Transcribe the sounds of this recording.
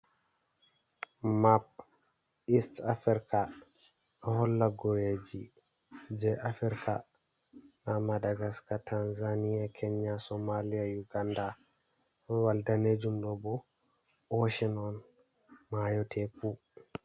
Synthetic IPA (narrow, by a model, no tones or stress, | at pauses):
map̚ | istafiɾka | ɗɔhɔlːaɡɔjed͡ʒi | d͡ʒɛʔafiɾka̰ | namadaɡaskatʰanzanijakʰɛɲːasɔmalijajuɡanda | waldaned͡ʒumɗɔbɔ | ʔɔʃɛnɔn | majɔtʰɛku